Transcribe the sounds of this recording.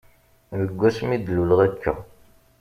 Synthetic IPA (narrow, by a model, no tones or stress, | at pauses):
ðəɡʷːæsmid̪əlulʁækʰːə̰